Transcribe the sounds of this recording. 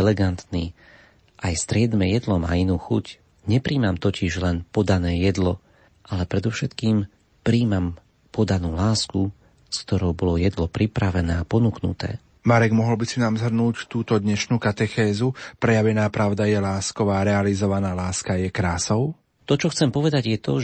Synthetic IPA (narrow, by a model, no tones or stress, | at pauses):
ɛlɛɡant̪niː | ʔajst̪ɾɪɛd̪mɛjɛd̪lɔma̰ːinuːxṵc | ɲɛpɾiːmamt̪ɔcɪʒlɛnpɔd̪anɛːjɛd̪lɔ | ʔalɛpɾɛd̪ɔʊʃɛt̪kiːm | pɾiːmam | pɔd̪anuːlaːsku | skt̪ɔɾɔʊbɔlɔjɛd̪lɔpɾipɾaʋɛnɛːapɔnuknṵt̪ɛ̰ː | maɾɛɡmɔɦɔlbisinaːmzɦr̩nuːct̪uːt̪ɔd̪ɲɛʃnuːkat̪ɛxɛːzupɾɛjaʋɛnaːpɾaʊd̪ajɛlaːskɔʋaːɾɛalizɔʋanaːlaːskajɛkɾaːsɔʊ | t̪ɔt͡ʃɔxt͡sɛmpɔʋɛd̪aɟjɛt̪ɔ